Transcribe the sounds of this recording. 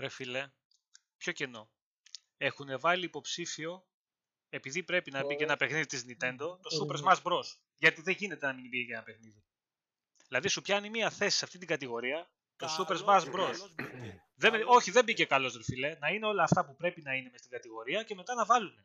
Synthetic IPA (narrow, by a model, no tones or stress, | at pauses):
ɾefile | pço̞ce̞no̞ | e̞xune̞vɐliːpo̞psifio̞ | e̞piðipɾe̞pinɐbicenɐpe̞xniðit̪iznit̪e̞nd̪o̞t̪o̞supeɾzmɐzbɾo̞s | ʝɐt̪iðeʝine̞t̪e̞nɐminbiʝecenɐpexniði | ðilɐðisupçɐnimiɐθe̞si̥sɐft̪it̪iŋɡɐt̪iɣo̞ɾiɐ | t̪o̞supeɾzmɐsbɾos | ðeo̞çiðe̞mbicekɐlo̞zðelfile̞nɐine̞o̞lɐːft̪ɐpupɾe̞pinɐine̞me̞st̪iŋɡɐt̪iɣo̞ɾiɐce̞me̞t̪ɐnɐvɐlune̞